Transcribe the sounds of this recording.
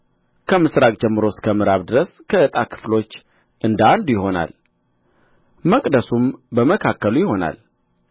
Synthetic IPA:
kʰəmɨsɾakʼd͡ʒɛmːɨɾo̞skʰəmɨɾaβd̪ɨɾəskʰəɨt̪ʼakʰɨ̥flo̞t͡ʃː | ʔɨnd̪and̪jɪɦo̞na̰l | məkʼd̪əsumbəməkʰakːəlujɪho̞na̰l

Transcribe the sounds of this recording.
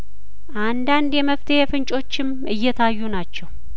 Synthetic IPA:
ʔand̪and̪jɛməft̪ʰəhefɨnt͡ʃʼo̞t͡ʃːɪm | ɨjːɛt̪ʰajːunat͡ʃːɛw

